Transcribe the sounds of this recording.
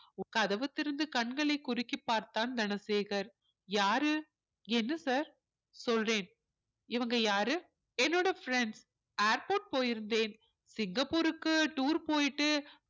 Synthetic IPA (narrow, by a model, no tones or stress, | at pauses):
kɐðɐʋɐt̪ːɪɾɯnd̪ɯkɐɳɡɐɭɐɪkːʊɾɪkːipːaːɾt̪aːnd̪ɐnɐseːɣɐɾ | jaːɾɯ | ɛnːɯsaːɾ | sɔlreːn | ɪʋɐŋɡɐjaːɾɯ | ɛnːoːɽɐfɾɛɳɖs | eːɾpoːʈ̚poːjɪɾɯnd̪eːn | sɪŋɡɐpːuːɾɯkːɯʈuːɾpoːjɪʈːɯ